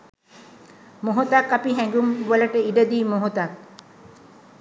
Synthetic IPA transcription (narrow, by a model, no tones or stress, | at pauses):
moɦot̪akːapiɦæŋɡumʋələʈəiɖəd̪iːmoɦot̪ak̚